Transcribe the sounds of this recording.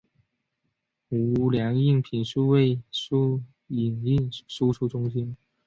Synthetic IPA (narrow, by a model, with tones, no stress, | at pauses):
u˧˥˧ljɑ˧˥ŋi˥˩ŋpʰi˨˩nʂu˥˧we˥˩ɪʂu˥ | i˨˩ni˥˩nʂu˥ʈ͡ʂʰu˥ʈ͡ʂʊ˥ŋɕi˥n